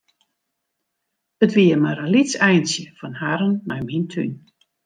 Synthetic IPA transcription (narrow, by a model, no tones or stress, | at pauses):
ətʋiəmaralitsɛjnsjəfɔnhaɾənːajmintʰy̰n